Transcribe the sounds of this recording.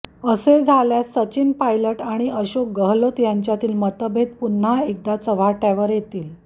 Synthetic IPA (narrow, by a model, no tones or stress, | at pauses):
əsed͡zʱaljasət͡ɕinpajləʈaɽ̃iʔəɕok̚ɡəɦlot̪jaɲt͡ɕjat̪iːlmət̪əbʱet̪̚pun̤aek̚d̪at͡səʋ̤ʱaʈaʋəɾjet̪iːl